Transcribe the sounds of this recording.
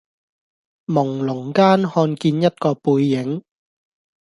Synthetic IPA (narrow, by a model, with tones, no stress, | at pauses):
mʊ˨˩ŋlʊ˨˩ŋkaː˥nhɔː˧nkiː˧njɐ˥t̚kɔː˧puː˧jːɪ˨˦ŋ